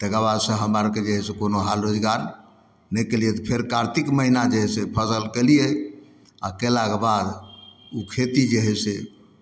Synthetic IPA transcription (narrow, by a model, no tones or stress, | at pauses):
t̪ɛkaβad̪sə̃ɦəmaɾked͡ʒeɦsekonoɦalɾod͡ʒɡaɾ | nɛjkelijet̪ɔpʰeɾkaɾt̪ʰikməɦinad͡ʒeɦɛsepʰəsəlkelije | a̰kelakebad̪ukʰet̪id͡ʒeɦɛse